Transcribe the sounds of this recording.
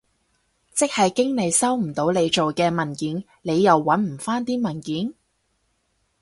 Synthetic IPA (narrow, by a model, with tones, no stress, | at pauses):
t͡sɪ˥k̚hɐ˨jkɪ˥ŋne˨˧jsɐ˥wm̩˨˩t̪o˨˧˥wle˨˧jt͡ʃo˨wkɛː˧mɐ˨˩nkiː˨˥n | ne˨˧jːɐ˨wːɐ˨˥nm̩˨˩faː˥nt̪iː˥mɐ˨˩nkiː˨˥n